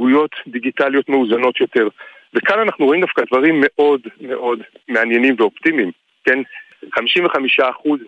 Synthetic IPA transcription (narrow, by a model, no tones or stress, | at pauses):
ujo̞tdiɡitaljo̞tme̞uzano̞t̪jo̞te̞ʁ | vekananaχnuʁo̞imd̪afkadvaʁimːe̞ʔo̞dme̞ʔo̞dme̞anje̞nimveo̞ptimim | ken | χamiʃimveχamiʃaːχuz